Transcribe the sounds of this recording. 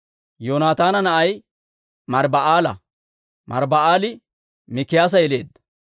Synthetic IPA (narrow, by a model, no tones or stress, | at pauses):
joːnaːt̪aːnɐnɐʔɐj | mɐɾbɐʔaːlɐ | mɐ̰ɾbɐaːlɪ | mɪkːɪjaːs̬ɐjɛle̞̰ːd̪ːɐ̥